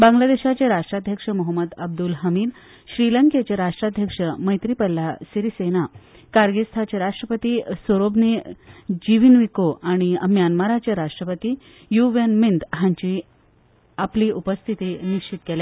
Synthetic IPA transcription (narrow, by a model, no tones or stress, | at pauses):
bãŋɡlad̪eɕat͡ɕeɾaʂʈɾad̪ʱjəkʂəmɔɦəmːəd̪əb̚d̪ulɦəmiːd̪ | ɕɾiləŋket͡ɕeɾaʂʈɾad̪ʱjəkʂəməjt̪ɾipəlːasiɾisena | kaɾɡest̪ʰat͡ɕeɾaʂʈɾəpət̪iːsoɾobnid͡ʑiʋinʋikoʔaɽ̃iəmjanmaɾat͡ɕeɾaʂʈɾəpət̪iː | juʋənmind̪ɦãɲt͡ɕiː | apliːupəst̪ʰit̪iniɕt͡ɕit̪kelja